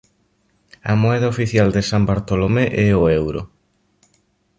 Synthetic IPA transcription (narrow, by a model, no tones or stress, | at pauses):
ɐmoɛðɐofiθjald̪ɪsambaɾt̪olomeʔɛoewɾʊ̰